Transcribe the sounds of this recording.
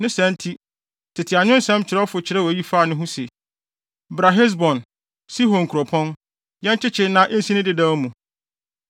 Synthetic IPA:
nɪ̃˦sɛ̃˦n˦tʰi˦ | tʰɪ˨tʰɪ˨a˨ɲʊ̃˦n̩˦sɛ̃˦mt͡ɕʰɪ˨ɾɛ˦fʊ˨t͡ɕʰɪ˨ɾɛ˦wɔ˨˦ji˦faː˦˨nʊ̃˦ɦʊ̃˦se˨ | bɾa˨ɦɛ˦s̬bɔ̃˨n | si˦ɦɔ̃˨ŋ̩˨kʰu˨ɾɔ˨pʰɔ̃˦n | jɛ̃˦nt͡ɕʰɪ˦t͡ɕʰɪ˦nã˦ʔɪ˦n̩˦si˦nɪ̃˦dɪ˦dã˦wmũ˨

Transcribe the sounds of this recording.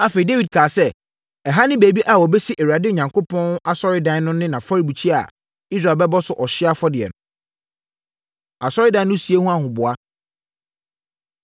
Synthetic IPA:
a˦fe˨ɾi˨de˦wi˨d̚kʰaː˨sɛ˦ | ɛ˨ɦa˦nɪ̃˦be˨bi˦ʔa˨wɔ˨bɛ˦si˦ʔe˨wa˨dɪ˦o˨ɲã˨ŋkʰo˦pʰɔ̃˦n˦a˨sɔ˦ɾɪ˦dã˨n˦nʊ̃˦nɪ̃˦nã˨fɔ˦ɾi˨bu˨t͡ɕʰi˦a̰˨ | i˦s̬ɾa˨bɛ˦bɔ˦sʊ˨ʔɔ˨ɕɪ˦a˦fɔ˦dɪ˨ɛ̰˨nʊ̃˨ | a˨sɔ˦ɾɪ˦dã˨n˦nʊ̃˦si˨e˦hũ˦a˨ɦʊ̃˨bʊ˨a˦

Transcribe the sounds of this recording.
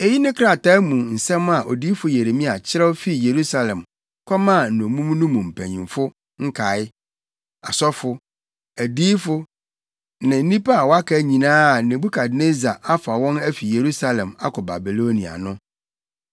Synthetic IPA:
e˨ji˦nɪ̃˦kʰɾa˨ta˦mũ˨n̩˨sɛ̃˦ma˨ʔo˨di˦fʊ˦je˨ɾe˨mĩ˦a˨t͡ɕʰɪ˦ɾɛ˦o˦fi˦je˨ɾu˦sa˨lɛ̃˨m | kʷʰɔ˦mã˦˨n̩˨nʊ̃˨mũ˦m˦nũ˦mũ˨m̩˨pʰæ̃˨ɲḭ̃˨mfʊ˦ | ŋ̩˦kʰa˨˦ɪ˦ | a̰˨sɔ˦fʊ˦ | æ˨diː˦fʊ˦ | nɪ̃˨n̩˦nĩ˦pa˦a˨wɔ˨˦a˦kʰa˦ɲĩ˨nãː˦˨nɪ̃˨bu˦kʰa˨dne˦za˨a˦fa˨wɔ̃˦næ˦fi˨je˨ɾu˦sa˦lɛ̃˨ma̰˦kʰɔ˨ba̰˨bi˨lo˦nĩ˨a̰˨nʊ̃˦

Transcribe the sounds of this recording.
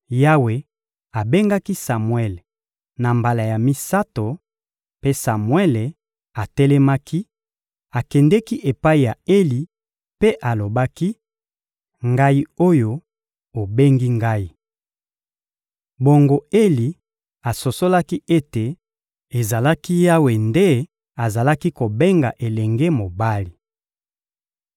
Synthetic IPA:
ja˦we˨ | a˨be˦ŋɡa˦ki˦sa˨mwɛ˦l | na˨mba˨la˨ja˨mi˦sa˦to˨ | pe˦sa˨mwɛ˦le˨ | a˨tɛ˦lɛ˦ma˦kʰi˦ | a˨kɛ˨ndɛ˦ki˦ʔe˨pa˦i˨ja˨e˦li˨ | pe˦ʔa˨lo˨ba˦ki˦ | ŋɡa˦i˦o˦jo˦ | o˨be˦ŋɡi˦ŋɡa˦i˨ | bo˨ŋɡo˦˨e˦li˨ | a˨so˨so˦la˦ki˦e˦te˨ | e˨za˨la˦ki˦ja˦we˨nde˦ | a˨za˨la˦ki˦ko˨be˦ŋɡa˨ʔe˨lɛ˨ŋɡe˦mo˨ba˦li˨

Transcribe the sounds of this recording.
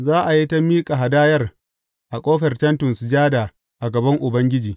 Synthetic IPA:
zaː˦ʔa˨ji˦ta˦miː˦kʼa˨ɦa˨daː˦jɐ˦r | ʔa˨kʷʼoː˦ɸɛ˨rt͡ʃɐ˦ntʊ˨nsd͡ʒaː˦daː˨ | ʔa˨ɡɐ˨bɐ˦ŋʔʊ˨bɐ˦ŋɡʲɪ˦d͡ʒiː˨

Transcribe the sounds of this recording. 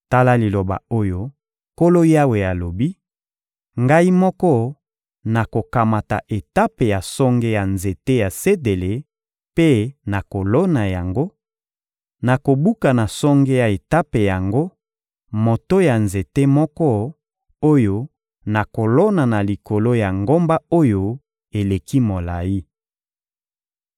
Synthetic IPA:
ta˦la˦li˨lo˨ba̰˨o˦jo˦ | ko˦lo˦ja˦we˨ja˨lo˨bi˦ | ŋɡa˦i˦mɔ˦kɔ˦ | na˨ko˨ka˨ma˨ta̰˨ʔe˨ta˦pe˨ja˨sɔ˦ŋɡe˦ja˨nze˨te˦ja˨se˦de˨le˨ | pe˦na˨ko˨lo˦na˨ja˨ŋɡo˦ | na˨ko˨bu˦ka˨na˨sɔ˦ŋɡe˦ja˨e˨ta˦pe˨ja˨ŋɡo˦ | mo˨to˦ja˨nze˨te˦mɔ˦kɔ˦ | o˦jo˦ | na˨ko˨lo˦na˨na˨li˨ko˨lo˦ja˨ŋɡo˦mba˦o˦jo˦ | e˨le˨ki˦mo˨la˨ji˦

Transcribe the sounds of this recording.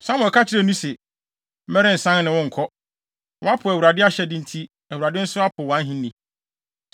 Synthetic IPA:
sã˦mʊ̃˨kʰa˦t͡ɕʰɪ˦ɾɛ˦˨nũ˦sɛ˨˦ | mɛ˦ɾɪ̃˦n̩˨sã˦ŋ˦nɪ̃˨wʊ̃˦ŋ̩˨kʰɔ˦ | wɔ˨˦a˦pʰʊ˨æ˨wu˨ɾa˨dɪ˦a˦ɕɛ˨dɪ̃˦n̩˦tʰi˦ | æ˨wu˨ɾa˨dɪ˦n̩˦sʊ˦a˦pʰʊ˨wã˨˦ɦĩ˦nĩ˨

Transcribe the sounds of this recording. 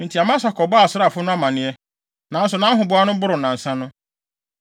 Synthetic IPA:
n̩˨tʰi˨a˨mã˦s̬a˨kʰɔ˨bɔ˦a˨sʊ˦ɾa˨fʊ˦nʊ̃˦a˦mã˨nɪ̃˦ɛ˦ | nã˨˦n̩˦sʊ˨nã˦ɦʊ̃˨bʊ˦a˦nʊ̃˦bʊ˦ɾʊ˨nã˨n̩˨sã˦nʊ̃˦

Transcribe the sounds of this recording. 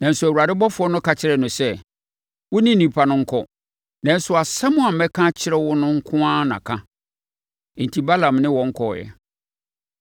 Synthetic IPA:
nã˨n̩˦sʊ˦æ˨wu˨a˨dɪ˦bɔ˦fʊ˨˦ɔ˦nʊ̃˦ka˨t͡ɕʰɪ˦ɾɛ˨nʊ̃˨sɛ˦ | wʊ˦nĩ˦nĩ˨pʰa˨nʊ̃˦ŋ̩˦kʰɔ˦ | nã˨n̩˦sʊ˨a˨sa˦mʊ̃˦a˨˦mɛ˦kʰã˦t͡ɕʰɪ˦ɾɛ˦wʊ˦nʊ̃˦ŋ̩˦kʰʊ̃˦ã˦nã̰˨kʰã˦˨ | n̩˨tʰi˨ba˦lã˨mnɪ̃˦wɔ̃˨˦ŋ̩˦kʰɔ̰˨jɛ̰˨

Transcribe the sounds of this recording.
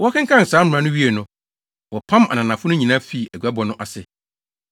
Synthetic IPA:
wɔ˦kʰɪ̃˦ŋkʰã˦n̩˨saː˨˦m̩˨ã˨nʊ̃˦ɥi˦e˨nʊ̃˦ | wɔ˨pʰã˦ma̰˨nã˨nã˨fʊ˦nʊ̃˦ɲĩ˨nã˦fi˦˨æ˨ɡɥa˦bɔ˨nʊ̃˦ʔa˨sɪ˨

